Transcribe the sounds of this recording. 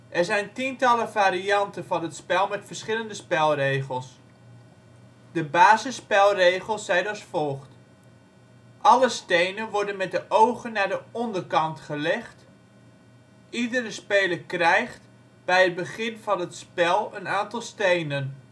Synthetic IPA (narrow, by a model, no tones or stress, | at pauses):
ʔɛɹzɛjntintɑləvaːɾiɑntənvɑnətspɛlˠmɛtfərsχɪləndəspɛlˠrejχəlˠs | d̥əbaːzəspɛlˠrejχəlˠsːɛjdɑsfɔlˠχt | ʔɑləstejnənʋɔɹdənmɛt̚dəʔowχənːaːɹdəʔɔndərkɑntχəlɛχt | ʔidərəspeːləkrɛjχt | b̥ɛjəd̚bəχɪnvɑnətspɛlˠənaːntɑlˠstejnən